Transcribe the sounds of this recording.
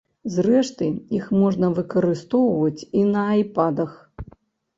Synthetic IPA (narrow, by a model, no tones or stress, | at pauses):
zrɛʂt̪ɨixmɔʐnɐvɨkɐɾɨst̪ɔwvɐt͡sʲinɐːjpad̪ɐx